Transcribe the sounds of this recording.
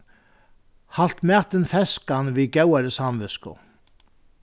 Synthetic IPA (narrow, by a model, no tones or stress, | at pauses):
hal̥t̪mɛːt̪ɪnfɛskanvicawaɾɪsaːmvɪskʊ̰